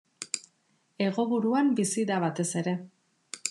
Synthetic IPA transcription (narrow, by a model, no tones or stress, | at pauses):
e̞ɣo̞βuɾuambisiðaβ̞at̪e̞se̞ɾe̞